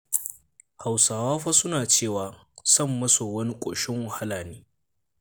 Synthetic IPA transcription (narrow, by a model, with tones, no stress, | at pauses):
ha˨wsaː˨waː˦ɸa˦sʊ˦naː˨t͡ʃeː˦˨waː˨ | sɐ˦˨mːɐ˦so˨wɐ˦ni˦kʷʼo̰ː˨ʃɪ˦ŋwɐ˨ha˦laː˨neː˦